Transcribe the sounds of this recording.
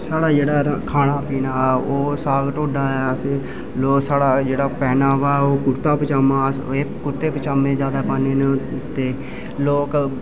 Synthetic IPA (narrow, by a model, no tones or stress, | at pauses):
saːɽaːd͡ʒeːɽaːɾkʰaːnaːpiːnaːoːsaːɡʈoːɖaːɛs | loːksaːɽaːd͡ʒeːɽaːpɛːnaːʋaːoːkʊɾt̪aːpət͡ʃaːmaːseːkʊɾt̪eːpət͡ʃaːmẽːd͡ʒaːd̪aːpaːneːnt̪eː | loːk